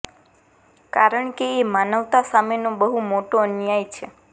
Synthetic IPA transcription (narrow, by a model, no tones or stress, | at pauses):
kaɾəɳkeːmanəʋt̪asamenobəɦumoʈoənjajt͡ʃʰe